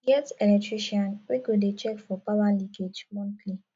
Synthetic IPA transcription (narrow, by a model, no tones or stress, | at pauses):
jɛtɛlɛtɹiʃiãnweɡodet͡ʃɛkfɔpawaliked͡ʒmɔ̃ntʰli